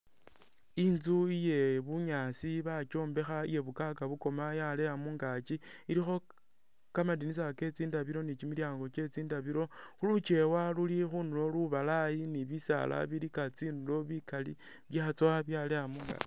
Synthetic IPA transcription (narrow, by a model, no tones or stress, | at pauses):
inzuije̞βuɲaːsiβat͡ʃo̞ːmbe̞xaije̞βukakaβuko̞majale̞amuŋɡat͡ʃiiɾixo̞ | kamadinis̬ake̞t͡siːndaβiɾo̞nit͡ʃimiljaːŋɡo̞t͡ʃe̞t͡siːndaβiɾo̞xulut͡ʃe̞walulixunulo̞luβalajiniβisa̰lʔa̰βiɾikat͡sinulo̞βikalḭ | βjaːt͡swaβjale̞jamuŋɡa̰li